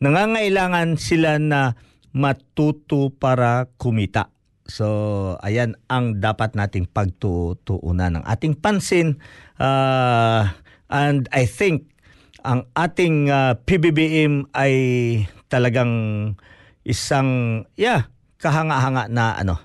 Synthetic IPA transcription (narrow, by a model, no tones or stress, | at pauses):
nɐŋaːŋɐʔɪlaːŋɐnsɪlanɐ | mɐt̪ut̪opaːɾɐkʊmit̪a̰ʔ | soɐ̰janʔɐŋd̪aːpat̪̚naːt̪ɪŋpɐɡ̚t̪ʊʔt̪ʊʔṵnanɐ̰ŋʔa̰ːt̪ɪŋpansɪnʔa | ʔand̪ajθɪŋk̚ | ɐŋʔaːt̪ɪŋapibibiʔɛmajt̪ɐlɐɡaŋ | ʔɪsaŋja | kɐɦaŋaʔɦaŋaʔnɐʔɐ̰no